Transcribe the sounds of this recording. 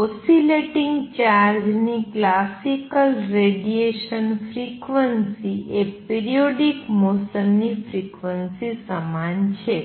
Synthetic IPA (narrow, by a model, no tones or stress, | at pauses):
osileʈĩŋɡt͡ʃaɾd͡ʒniklasikəlɾeɖieʃənfʰɾikʋənsiepiɾioɖikmosənːifʰɾikʋənsisəmant͡ʃʰe